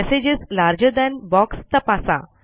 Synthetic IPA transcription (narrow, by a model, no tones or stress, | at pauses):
ɛsed͡ʑezlaɾd͡ʑəd̪ɛ̃nbɔkst̪əpasa̰